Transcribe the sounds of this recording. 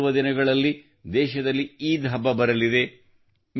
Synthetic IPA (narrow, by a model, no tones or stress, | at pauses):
ʋɐd̪inɐɡɐɭɐlːi | d̪ɛːʃɐd̪ɐlːiiːd̪ʱɦɐbːɐbɐɾɐlid̪e̞ | m